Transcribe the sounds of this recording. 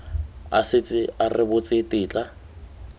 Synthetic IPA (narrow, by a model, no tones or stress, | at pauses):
a̰sɪt͡sʼɪarɪbʊt͡sʼɪtʼɪːt͡ɬʼa